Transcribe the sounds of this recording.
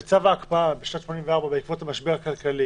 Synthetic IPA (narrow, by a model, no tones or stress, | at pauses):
t͡savaːkpaabeʃnatʃmonimveaʁbabeikvotamaʃbeʁakalkali